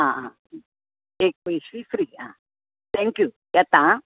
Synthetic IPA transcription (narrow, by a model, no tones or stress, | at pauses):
ãã | ek̚ʋeʃɾifɾiːã | t̪ʰɛ̃ŋkju | jat̪ã